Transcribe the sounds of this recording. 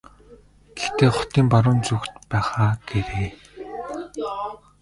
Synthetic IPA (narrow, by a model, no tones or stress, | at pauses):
ɡ̥ext̪ʰeːχɔ̥t̪iːmpaɾʊːnt͡sukt̪pæːχaːɡ̥eɾeː